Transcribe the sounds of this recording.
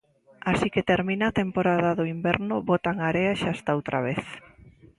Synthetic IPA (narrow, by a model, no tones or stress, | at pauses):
asiket̪eɾmĩnat̪empoɾaðaðʊimbɛɾnʊβot̪aŋaɾeaʃast̪aowt̪ɾʔa̰βeθ